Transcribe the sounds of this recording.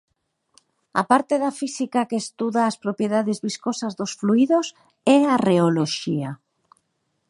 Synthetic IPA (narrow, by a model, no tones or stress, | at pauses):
a̰paɾt̪eðafisikakeːst̪uðaːspɾopjeðaðezβiskosazðosfluiðos | ɛareoloʃia